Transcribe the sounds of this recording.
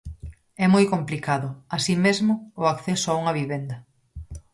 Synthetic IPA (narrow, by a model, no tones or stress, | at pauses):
ɛmojkomplikaðʊasimezmʊːakθɛsʊauŋɐβiβend̪ɐ